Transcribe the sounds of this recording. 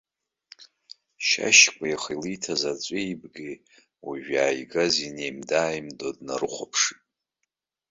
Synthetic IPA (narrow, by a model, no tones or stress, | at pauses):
ʃa̰ʃkʷʼajaχijlijtʰazat͡sʷʼejbɡʲi | wiʒᶣaːjɡazinejmdaːjmdodna̰ɾɨχʷapʰʂɨtʼ